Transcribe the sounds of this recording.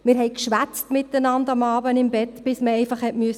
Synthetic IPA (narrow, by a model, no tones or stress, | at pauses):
mɪːɾɦɛɪkʃʋæt͡stmɪtːənɑndɑmɑːbənɪmbɛtb̥ɪsməɛɪfɑχhɛtmyəs